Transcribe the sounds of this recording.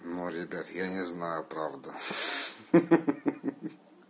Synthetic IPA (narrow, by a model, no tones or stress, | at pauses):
nuɾʲɪbʲat̪janʲɪznajʊpɾavd̪ə